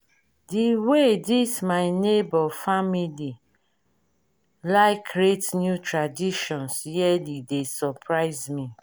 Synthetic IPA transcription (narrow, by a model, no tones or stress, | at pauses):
diwedismaɪnebɔfamili | laɪkɹetnjutɹadiʃɔ̃nsjɛlidesɔpʰɹaɪzmi